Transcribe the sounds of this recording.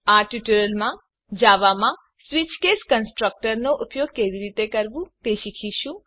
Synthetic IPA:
aʈuʈuɾəlmã | d͡ʒaʋamã | sʋit͡ʃkeskənsʈɾək̚ʈəɾnoʔupjoɡ̚keʋiɾit̪ekəɾʋũt̪eʃikʰiʃũ

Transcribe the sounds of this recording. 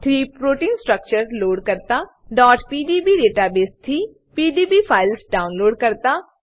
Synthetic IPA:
t̪ʰɾiːpɾoːʈiːnsʈɾək̚t͡ʃəɾloːɖkəɾt̪aː | ɖɔːʈpiːɖiːbiːɾeːʈaːbeːst̪ʰiː | piːɖiːbiːpʰaːɪlsɖaːʊnloːɖkəɾt̪aː

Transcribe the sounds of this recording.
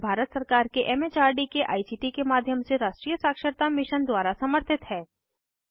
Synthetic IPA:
bʱaːɾət̪səɾkaːɾkeʔɛːmet͡ʃaːɾɖikeʔa̰ːisiːʈikemaːd̪ʱjəmseɾaːʃʈɾijəsaːkʃəɾt̪amɪʃənd̪waːɾasɐməɾt̪ʰɪt̪ɦɛː

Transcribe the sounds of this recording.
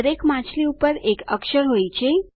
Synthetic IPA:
ɾekmãt͡ʃʰliupəɾekəkʃəɾɦojt͡ʃʰe

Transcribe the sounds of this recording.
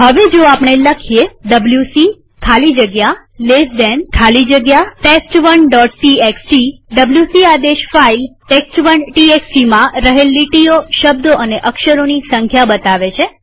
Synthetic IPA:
ɦəʋed͡ʒoapɳ̃eləkʰijeɖəbljusi | kʰalid͡ʒəɡja | lesd̪ɛnkʰalid͡ʒəɡjaʈesʈʋəɳɖɔʈsieksʈiɖəbljusiad̪eʃfailʈeksʈʋənʈieksʈimãɾəɦelːiʈioʃəb̚d̪oʔəneʔəkʃəɾonisə̃ŋkʰjabət̪aʋet͡ʃʰe

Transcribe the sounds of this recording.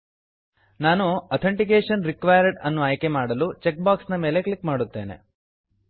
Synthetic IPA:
naːnuɐt̪ʰeɳʈik̬eːʂɐnɾikʋɐjɐɾɖɐnːuaːjke̞maːɽɐlut͡ʃek̚baːksnɐme̞ːle̞kɭikmaːɽut̪ːe̞ːne̞̰

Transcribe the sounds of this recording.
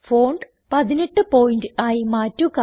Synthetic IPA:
foːɳɖ | pɐðineʈːɨpoːjindɨaːjimaːtːuka

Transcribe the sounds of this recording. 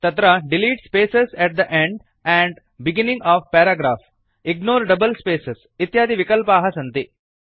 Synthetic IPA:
t̪ɐt̪ɾaɖɪliːʈspeːsesɛʈ̚d̪əʔẽɳɖ | ɛ̃ːɳɖ | bɪɡɪnɪ̃ŋɡɔːʋpɛːɾaːɡɾaːf | ɪɡnoːɾɖɐbəlspeːses | ɪt̪jaːd̪iʋɪkəlpaːɦɐsɐ̃nt̪i

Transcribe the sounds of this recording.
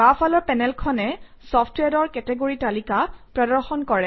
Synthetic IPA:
bafʰalɔɹpɛnɛlkʰɔnɛ | sɔfʰtwɛdɔɹkɛtɛɡoɹitalikapɹɔdɔɹxɔnkɔɹɛ

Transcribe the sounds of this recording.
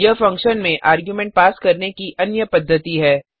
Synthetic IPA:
jəfɐ̃ŋkʃənmẽʔʔaːɾɡjumɛ̃ːɳʈ̚paːskɐɾnekiʔɐnjəpɐd̪ʱːət̪iɦɛː

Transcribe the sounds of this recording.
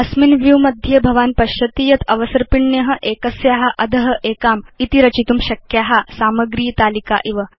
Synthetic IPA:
ɐsminʋjuwmɐd̪ʱjɐbʱɐʋaːnpɐʃjɐt̪ijɐt̪ʰɐʋɐsɐɾpiɳːjɐɦɐ̆ʔeːkɐsjaɦaʔɐd̪ʱɐɦɐ̆ʔeːkaːmit̪iɾɐt͡ɕit̪umɕɐkjaːɦasaːmɐɡɾiːjt̪aːlika̰ʔiʋɐ

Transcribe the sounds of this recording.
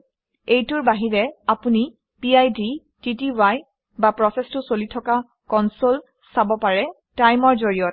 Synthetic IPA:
ejtʊɹbaɦiɹɛapuni | piajdi | titiwaj | bapɹɔsɛstʊsolitʰɔka | kɔnsol | sabɔpaɹɛ | tajmɔɹzoɹijɔt

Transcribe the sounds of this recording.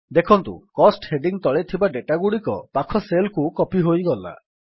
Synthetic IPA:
d̪ekʰɔnt̪ṵkɔsʈheɖiŋt̪ɔɭet̪ʰibaɖeʈaɡuɽikɔpakʰɔselkukɔpiɦojɡɔla̰

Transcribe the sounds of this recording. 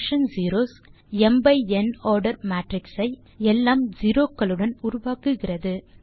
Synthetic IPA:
ʂɐnd͡ʒiːɾoːs | ɛmbɐɪɛnoːɾɖɐɾmaːʈɾɪksɐɪ | ɛlːaːmd͡ʒiɾoːkːɐɭɯɽɐnʊɾʊʋaːkɯɣɪrɐðɯ

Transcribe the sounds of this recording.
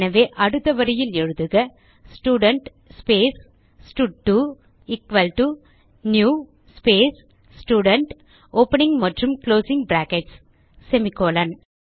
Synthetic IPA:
nɐʋeːʔɐɽɯt̪ːɐʋɐɾɐjɪlɛɻɯðɯɣɐ | sʈuːɽɐɳʈ | speːsː | ʈuʈːu | ikʋɐlʈu | njuː | speːsː | ʈuːɽɐɳʈ | oːpɐnɪŋɡmɐʈrɯmkloːsɪŋɡbɾaːkɛʈsː | ɛmɪkːoːlɐn

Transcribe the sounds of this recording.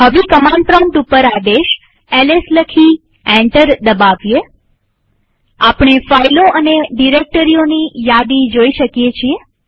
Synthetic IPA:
ɦəʋikəmãɳɖpɾəɳɖupəɾad̪eʃ | ɛlesləkʰi | ɛ̃ɳʈəɾd̪əbaʋje | apɳefailoʔəneɖiɾek̚ʈəɾionijad̪id͡ʒoiʃəkjet͡ʃʰie

